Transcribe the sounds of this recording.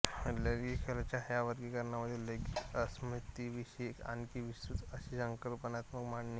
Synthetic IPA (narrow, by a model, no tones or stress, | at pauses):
ləɾɡikʰelat͡ɕajaʋəɾɡikəɾnaməd̪ʱːeləɡiəsmit̪iʋiɕeeka̰nkiʋist̪ɾut̪əɕisəŋkəlpənat̪məkmaɳni